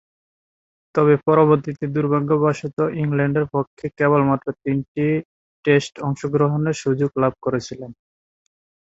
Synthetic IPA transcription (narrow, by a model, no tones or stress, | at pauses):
t̪ɔβepɔɾoβoɾt̪it̪ed̪uɾbʱaɡːobaʃit̪oʔiŋlɛɳɖeɾpokʰːekɛbolmat̪ːɾot̪inʈi | ʈesʈɔŋʃoɡɾoɦoneɾʃud͡ʑoɡlab̚ʱkoɾet͡ɕʰilen